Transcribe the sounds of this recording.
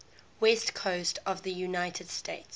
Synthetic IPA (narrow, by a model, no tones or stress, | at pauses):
wɛstkʰoʊstʰəvðəjunaɪtʰəd̥stʰeɪts